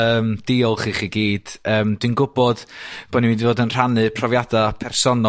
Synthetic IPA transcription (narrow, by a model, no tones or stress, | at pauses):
əːmd̥ɪɔlˠχiːχiɡiːd̥əːmd̥winɡʊbɔd̥b̥onivĩndivoːdənr̥anɨpʰrɔvjadapʰɛrsɔnɔ